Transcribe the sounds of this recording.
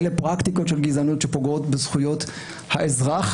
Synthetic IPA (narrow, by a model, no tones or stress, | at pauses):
lepʁakt̪iko̞tʃe̞lɡizanutʃepo̞ɡo̞tbezχujo̞t | haʔezʁaχ